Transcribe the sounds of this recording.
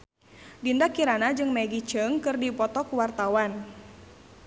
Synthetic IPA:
dindakiɾanad͡ʒɨŋmeɡit͡ʃəŋkɨrdipɔt̪ɔkuwart̪awan

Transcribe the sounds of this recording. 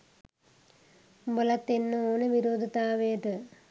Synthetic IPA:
mbɐlɐt̪ːenːuoːneʋiɾoːd̪ʱɐt̪aːʋeːt̪ɨ

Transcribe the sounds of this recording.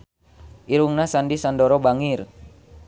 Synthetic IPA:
ʔiɾuŋnasandisandɔɾɔbaŋir

